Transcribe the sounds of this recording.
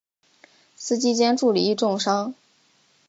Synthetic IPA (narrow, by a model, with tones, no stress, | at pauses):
sɹ̩˥t͡ɕi˥t͡ɕjɛ˥nʈ͡ʂu˥˩li˨˩i˥˧ʈ͡ʂʊ˥˩ŋʂɑ˥ŋ